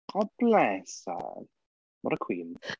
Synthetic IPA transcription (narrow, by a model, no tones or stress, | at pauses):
ɔblɛsa̰l | mɔɾəkʰw̥iːnχ